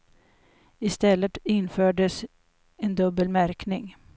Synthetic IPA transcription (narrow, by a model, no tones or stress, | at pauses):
ɪst̪ɛlːət̪ɪnːføːɖəs | ɛnd̪ɵbːəlmæɾknɪŋ